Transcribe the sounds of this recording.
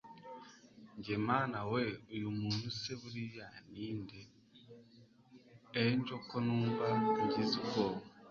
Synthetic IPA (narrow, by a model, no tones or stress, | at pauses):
ɲɟemaːnaweujumuːnuseβuɾijaniːnde | ɲd͡ʒo̞konuːvankuɟiziko